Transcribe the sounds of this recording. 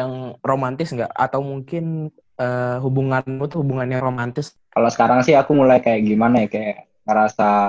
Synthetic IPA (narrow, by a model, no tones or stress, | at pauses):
jaŋromant̪ɪsŋɡa̰ʔa̰t̪awmuŋkɪn | ʔəɦubuŋanat̪uhubuŋanjaŋromant̪ɪs | kalosə̥kaɾaŋsɪɦakumulajkajaʔɡimanajakajaʔ | ŋəɾasa